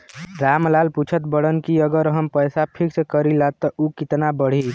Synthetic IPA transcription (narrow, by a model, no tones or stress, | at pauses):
ɾamlalput͡ʃʰət̪bəɽənkiəɡəɾɦəmpəɪsapʰikskəɾilat̪ːɔʔukit̪nabəɽ̤i